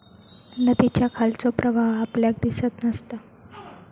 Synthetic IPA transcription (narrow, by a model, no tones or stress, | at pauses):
nət̪it͡ɕjakʰalt͡sɔpɾəʋaɦapljak̚d̪isət̪nəst̪a